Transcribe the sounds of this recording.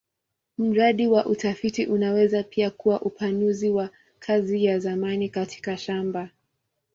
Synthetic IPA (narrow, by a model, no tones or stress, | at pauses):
m̩ɾaɗiwaʔutafitiʔunawɛzapiakuwaʔupʰanuziwa | kʰazijazamanikatʰi̥kaʃamba